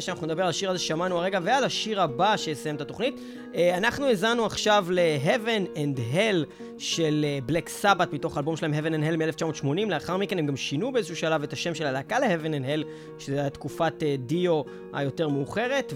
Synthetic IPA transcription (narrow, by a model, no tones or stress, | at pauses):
ʃeanaχnuned̪abe̞ʁalaʃiʁazeʃeʃamanuaʁeɡavealaʃiʁabaʃe̞jesajemetato̞χnit | eanaχnuezanuaχʃavleɦevenendɦel | ʃe̞lebleksabatmito̞χalbomʃelaemɦevenenɦelmieleft͡ʃamotʃmo̞nimleaχaʁmikenemɡamʃinubeezeʃuʃalave̞taʃemʃelalakale̞hevenendhel | ʃezeatkufatedio̞ | ha̰jo̞te̞ʁmeuχe̞ʁe̞t